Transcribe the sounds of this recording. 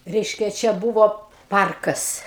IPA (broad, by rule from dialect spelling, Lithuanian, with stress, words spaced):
ˈrʲɛɪʃʲkʲɛ ˈt͡ʃʲɛ ˈbuːʋoː ˈpɐrkɐs